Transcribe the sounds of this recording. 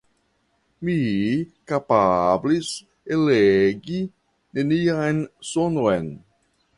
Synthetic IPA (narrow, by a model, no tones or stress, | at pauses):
mikapablis | eleɡi | neniajnsonojn